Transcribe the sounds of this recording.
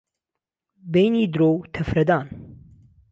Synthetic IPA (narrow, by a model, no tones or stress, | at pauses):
bejniːd̪ɾoːwt̪ʰɐfɾɐd̪aːn